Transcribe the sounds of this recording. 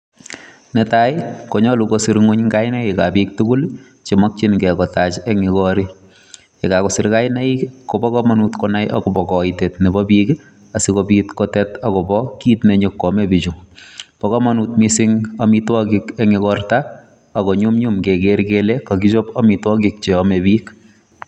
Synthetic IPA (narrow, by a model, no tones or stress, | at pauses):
nɛtajkoɲɔlukosiɾŋuɲŋkajnɛikapik̚tukul | t͡ʃimɔk̚t͡ʃinkɛkɔtat͡ʃɛŋikɔɾi | ekakosiɾkajnaikkobɔkɔmanutkɔnajʔa̰kɔpɔkɔitetnibɔpik | asikopitkɔtɛtakɔbɔkiːtneɲokːɔmebit͡ʃupɔkɔmɔnutmisɪŋamitwɔkikeŋikɔrtaː | kɔɲumɲumkekeɾkelekakit͡ʃopɔmitwɔkik̚t͡ʃeɔmebik